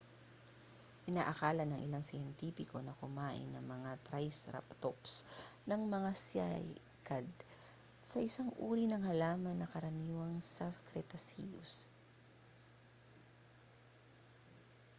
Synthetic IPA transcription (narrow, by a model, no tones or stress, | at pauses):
pɪnaːʔɐkaːlɐnɐŋʔɪ̰laŋsɪjɛnt̪iːpɪko̞nɐkʊmaːʔɪ̰nːɐ̰ŋmɐŋat̪ɾajsɾa̰pt̪opsnɐŋmɐŋasa̰ | kad̪̚ | sɐʔɪsaŋʔuːɾinɐŋhɐlaːmɐnːɐkɐɾɐniːwɐŋsɐkɾɛt̪ɐsḭjʊ̰s